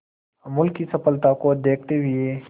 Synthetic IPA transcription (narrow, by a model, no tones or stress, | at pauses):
mʊlkːisɐpəlt̪akod̪eːk̚ʰt̪eɦɪeː